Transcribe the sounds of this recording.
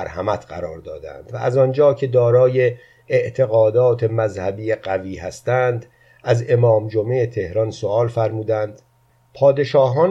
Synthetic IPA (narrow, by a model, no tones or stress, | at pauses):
ɾhæ̰mæt̪ʰɢæ̰ɾɒːɾd̪ɒ̰ːd̪æ̰nd̪̥væʔæzɒnd͡ʒɒːcʰe̞d̪ɒːɾɒːje̞ː | ʔt̪ʰe̞ɣɒːd̪ɒːt̪ʰe̞mæzhæbiːjeɢæviːhæst̪ænd̪ | æze̞mɒːmd͡ʒomeːt̪ʰe̞hɾɒnsoɒːlfæɾmuːd̪ænd̪̥ | pʰɒːd̪e̞ʃɒːɦɒːn